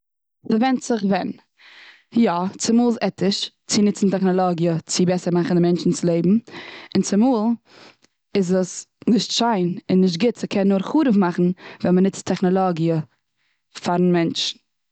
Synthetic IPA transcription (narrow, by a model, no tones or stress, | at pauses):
fəvɛntsɪχvɛn | jɔt͡sɪmuːlˠzɛtɪʃ | t͡sɪnɪt͡sn̩tɛχnɔlˠɔɡjət͡sɪbɛsəɾmaχn̩dɪmɛnt͡ʃn̩t͡sɪlˠeɪbm̩ɪnt͡sɪmuːlˠ | ɪzəsnɪʃtʃaɪnɪnːɪʃ̬t̚ɡɪtsəkʰɛnːʊɾχuːɾəfmaχn̩vɛnmənɪt͡stʰɛχnɔlˠɔɡiə | faɾnmɛnt͡ʃn̩